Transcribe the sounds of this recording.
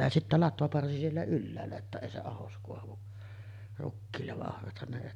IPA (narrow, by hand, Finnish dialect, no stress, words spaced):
jɑ sitːæ lɑtʋɑpɑrsi sielːæ ylːæːlːæ tːæ eˑi se ɑhos koɑʋu rukːiːlːeʋ ʋɑʔ ʔohrɑthɑn ne eˑi